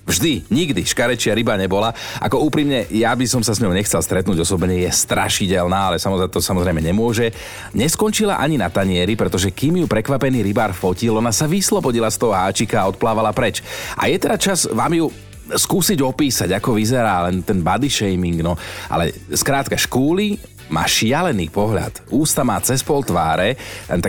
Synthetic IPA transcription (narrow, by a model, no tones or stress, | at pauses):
vʒd̪iɲiɡd̪iʃkaɾɛt͡ʃɪaɾibaɲɛbɔlaʔa̰kɔuːpɾimɲɛjabisɔmsasɲɔʊɲɛxt͡sɛlˠst̪ɾɛt̪nuːɟɔsɔbɲɛjɛst̪ɾa̰ʃiɟɛlnaːalɛsamɔt̪ɔsamɔzɾɛjmɛɲɛmʊɔʒɛ | ɲɛskɔnt͡ʃila̰ʔaɲinat̪aɲɪɛɾipɾɛt̪ɔʒɛkiːmjupɾɛkʋapɛniːɾibaːɾfɔcilɔnasaʋislɔbɔɟilast̪ɔɦɔɦaːt͡ʃikaːɔt̪̚plaːʋalapɾɛt͡ʃʔa̰jɛt̪ɛdat͡ʃazʋaːmju | skuːsiɟɔpiːsaɟakɔʋizɛɾaːlɛnt̪ɛnbad̪iʃɛjmiŋɡnɔʔa̰lɛ̰skɾaːt̪kaʃkuːli | ma̰ːʃɪalɛnḭːpɔɦʎa̰t̪uːst̪amaːt͡sɛspɔlt̪ʋaːɾɛt̪a